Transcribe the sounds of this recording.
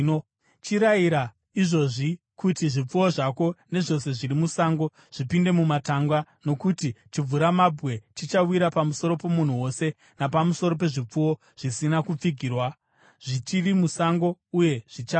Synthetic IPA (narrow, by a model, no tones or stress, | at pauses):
t͡ʃiɾaiɾa | iʐo̞ʐi | kutiʐip͡fuwo̞ʐako̞ne̞ʐo̞se̞ʐiɾimusaŋɡo̞ | ʐ̥ipinde̞mumataŋɡwano̞kutit͡ʃib͡vuɾamabʱɣe̞t͡ʃit͡ʃawiɾapamuso̞ɾo̞po̞mun̤uwo̞se̞ | napamuso̞ɾo̞p̬e̞ʐip͡fuwo̞ | ʐ̥isinakup͡fiɡʱiːrwa | ʐ̥it͡ʃirimusaŋɡo̞uje̞ʐ̥it͡ʃa